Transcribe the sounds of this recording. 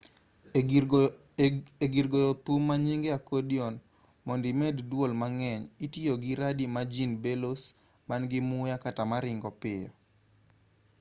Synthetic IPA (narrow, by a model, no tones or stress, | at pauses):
eɡiɾɡɔjɔt̪umːaɲiŋɡeakodiɔn | mɔndimɛddwolmaŋɛɲitioɡiɾadimad͡ʒinbelos | manɡɪmʊjakatamaɾɪŋɡɔpɪjɔ̰